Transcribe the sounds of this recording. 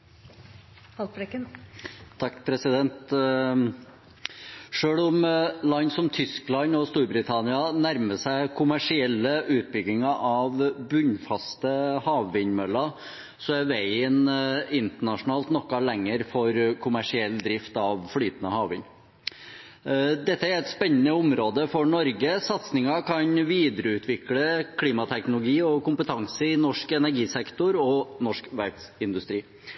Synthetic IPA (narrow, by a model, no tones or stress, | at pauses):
ɑɾɛk̪ | t̪ʰɑkːpʰɾɛsɪd̪ɛnt̪ | ʂøːɭɔmlɑnːsɔmt̪ʰʏsklɑnɔst̪uːɾbɾɪt̪ʰɑnɪɑnæɾməsæɪkʰʊmæʂɪɛlːəʔʉːt̪̚bʏɡɪŋɑʔɑʋbʉɲfɑst̪əhɑːʋːɪɲmœlːɑ | sɔæɾʋæɪənɪnt̪əɳɑʂʊnɑːlt̪nɔkːɑlɛŋːəɾfɔɾkʰʊmæʂɪɛlːd̪ɾɪft̪ɑʋflyːt̪ənəhɑːʋɪ̰ɲ | d̪ɛt̪ːəæɾɛt̪spɛnːənəʊmɾoːd̪əfɔɳɔɾɡəsɑt̪snɪŋɑkʰɑnʋiːd̪əɾəʉːt̪ʰʋɪkləkʰliːmɑt̪ʰɛknʊlʊɡiːɔkʊmpət̪ʰɑŋsəɪnɔʂkɛnæɾɡiːsɛkt̪ʊɾɔnɔʂkʋæɾt̪sɪnd̪ʉst̪ɾiː